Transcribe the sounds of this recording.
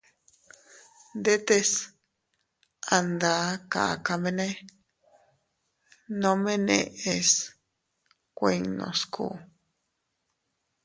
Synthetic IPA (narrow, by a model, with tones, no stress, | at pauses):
nd̪e˦t̪e˧s | a˧nd̪a˧˦ka̰˨ka˧mẽ˧nẽ˦ | nõ˧mẽ˦nḛ̃˧ʔe˧s | kʷe˧nõ̰˧skṵ˧˨